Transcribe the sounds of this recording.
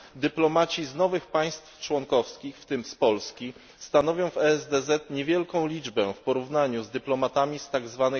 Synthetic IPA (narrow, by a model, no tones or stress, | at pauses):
d̪ɘplɔmat͡ɕiznɔvɘxpaj̃st̪ft͡ʂwɔŋkɔfskʲixft̪ɘmspɔlskʲi | st̪anɔvʲjɔ̃w̃vɛɛzd̪ɛzɛt̪ɲɛvʲjɛlkɔ̃w̃lʲid͡ʐbɛfpɔɾuvnaɲuzd̪ɘplɔmat̪amʲist̪aɡzvanɘ